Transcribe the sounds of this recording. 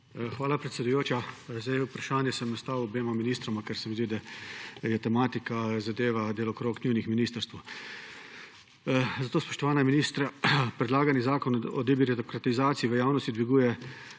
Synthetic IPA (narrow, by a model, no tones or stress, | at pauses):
xʋaːlapɾɛt̪sʲɛd̪ujoːt͡ʃjazajupɾaʃaːnjɛsɛmnast̪aːwɔbeːmaminiːst̪ɾɔmakɛɾsɛmizd̪id̪ajɛt̪ɛmaːt̪ikazad̪eːʋad̪eːlɔkɾoːknʲiwnixminiːst̪əɾst̪ʋɐ | zat̪oːspoʃt̪ɔʋaːnaminiːst̪ɾapɾɛd̪laːɡanizaːkɔnɔ̰d̪ibiɾit̪okɾat̪izaːt̪siiʋəjaːwnɔst̪id̪ʋiɡuːjɛ